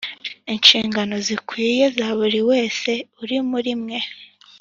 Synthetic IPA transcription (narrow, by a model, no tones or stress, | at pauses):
inʃiːŋɡano̞zikwije̞zaːβuɾiwe̞ːse̞uɾimuɾimŋe̞